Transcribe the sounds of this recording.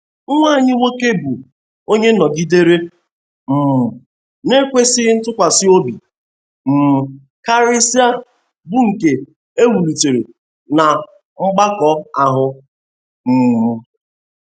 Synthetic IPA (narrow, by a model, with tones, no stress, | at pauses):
ŋ̩˦ŋʷa˦˨ɲɪ˦ŋʷe˦ke˦bu˨ | o˦ɲe˦nɔ˨ɡi˦de˦ɾe˦ | m̩˨ | ne˦kʷe˦sɪ˦ɪ˦n̩˦tʊ˦kʷa˨sɪ˦o˦bi˨ | m̩˨m̩˨ | ka˦ɾɪ˦si˦a˦ | bu˦ŋ̩˨ke˨ | e˦ɦu˨lu˨te˨ɾḛ˨ | na˨ | ŋ͡m̩˦ɡ͡ba˦kɔ˨a˨ɦʊ˨ | m̩˨m̩˨